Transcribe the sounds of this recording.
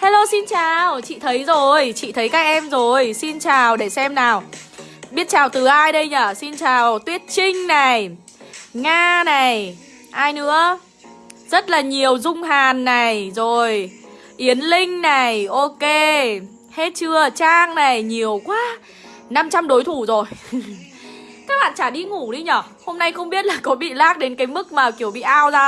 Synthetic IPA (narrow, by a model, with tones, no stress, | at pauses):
ha˧lo˧si˧nt͡ɕaː˨˩wt͡ɕḭ˧˨t̪ʰə˨˦jzo˨˩jt͡ɕḭ˧˨t̪ʰə˨˦jkaː˦˥k̚ʔɛ˧mzo˨˩jsi˧nt͡ɕaː˨˩wɗe˧˩sɛ˧mnaː˨˩wɓi˦˥ət̚t͡ɕaː˨˩wt̪ɨ˨˩ʔaː˧jɗə˧jɲaː˨˩si˧nt͡ɕaː˨˩wt̪wi˦˥ət̚t͡ɕï˧ŋ̟na˨˩j | ŋaː˧na˨˩j | ʔaː˧jnɨ̰˧˥ə | z̥ə˦˥t̚laː˨˩ɲi˨˩əwzʊ˧ŋ͡mɦaː˨˩nːa˨˩jzo˨˩j | ʔi˨˦ənlï˧ŋ̟na˨˩jʔo˧ke˧ | he˦˥t̚t͡ɕɨ˧ət͡ɕaː˧ŋna˨˩jɲi˨˩əwkwaː˨˦ | na˧mt͡ɕa˧mɗo˨˦jt̪ʰu˧˩zo˨˩j | kaː˦˥k̚ɓa̰ː˧˨nt͡ɕaː˧˩ɗi˧ŋu˧˩ɗi˧ɲɔː˧˩ | ho˧mna˧jxə˧wŋ͡mɓi˦˥ət̚laː˨˩kɔ˨˦ɓḭ˧˨laː˦˥k̚ɗe˨˦nkaː˨˦jmɨ˦˥k̚maː˨˩ki˧˩əwɓḭ˧˨ʔaː˧wzaː˧